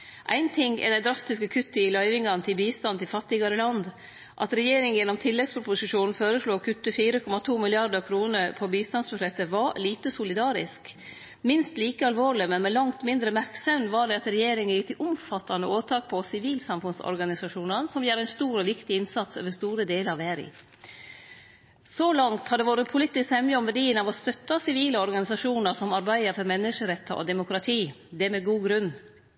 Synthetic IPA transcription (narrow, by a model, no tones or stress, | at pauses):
ʔæ̰ɪnt̪ʰɪŋːɪ̰d̪æɪd̪ɾɑst̪ɪskəkʰʉt̪ːəɪlœʏʋɪŋɑnət̪ʰɪlbiːst̪ɑnt̪ɪlfɑt̪ːɪɡɑɾəlɑnd̪ | ʔɑ̰t̪ɾɛjeːɾɪŋjɛnːɔmt̪ʰɪlːɛɡspʰɾʊpʊsɪʂuːnn̩føːɾəʂɭuːkʰʉt̪ːəfiːɾəkʰɔmːɑt̪ʰuːmɪlɪɑɾd̪əɾkʰɾuːnəɾpʰɔbiːst̪ɑnsbʉʂɛt̪ːəʋɑɾliːt̪əsʊlɪd̪ɑːɾɪsk | mɪnst̪liːkəɑlʋoːɭɪmɛnmɛlɑŋt̪mɪnd̪ɾəmæɾksɛʋnʋɑɖɛɑt̪ɾɛjeːɾɪŋəjɪkt̪ɪʔʊmfɑt̪ːɑnəoːt̪ʰɑːk̚pʰɔsɪʋiːlsɑmfʉnsɔ̰ɾɡɑnɪsɑʂuːnənsɔmjæːɾɛɪnst̪uːɾɔʋɪkt̪ɪɪnsɑt̪sø̰ːʋəst̪uːɾəd̪eːləɾɑʋæːɾɪ̰ | sɔlɑŋt̪hɑd̪ɛʋoːɾəpʰʊliːt̪ːɪskt̪hɛməɔmʋæɖiːənɑʋɔst̪œt̪ːɑsɪʋiːləɔɾɡɑnɪsɑʂuːnəɾsɔmɑɾbæɪəɾfɔɾmɛnːəʂəɾɛt̪ʰːəʔɔ̰d̪ɛmʊkɾɑt̪ʰiː | d̪ɛæmɛɡuːɡɾʉnː